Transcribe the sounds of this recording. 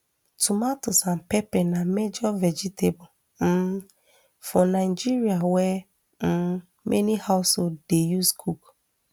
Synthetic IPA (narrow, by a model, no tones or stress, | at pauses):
tumatosam̩pɛpɛnamed͡ʒɔvɛd͡ʒitʰebo | m̩ | fɔnaɪd͡ʒiɾiawɛ | m̩ | mʔḛnihaʊsodejuskʰuk